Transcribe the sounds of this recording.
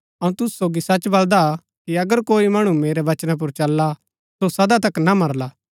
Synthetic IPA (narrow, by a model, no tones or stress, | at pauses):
ɐũt̪ʊsu̥soːɡisɐt͡ʃbɐld̪a | kiɐɡəɾkoːimɐɽ̃umeːɾɛʋɐt͡ʃnap̬ʊɾt͡ʃɐlːa | sosɐd̪at̪ɐknamɐɾlaː